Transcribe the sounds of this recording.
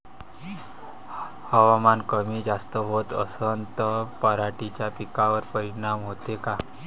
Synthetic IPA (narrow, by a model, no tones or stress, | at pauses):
həʋamankəmiːd͡zast̪əɦot̪ə̰sənt̪əpəɾaʈit͡ɕjapikaʋəɾpəɾiɽ̃amɦot̪eka